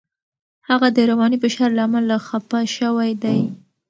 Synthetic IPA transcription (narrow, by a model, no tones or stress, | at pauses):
haɣad̪əɾawɑnibɪʃɑɾlaːmalaxapaʃəwajd̪aj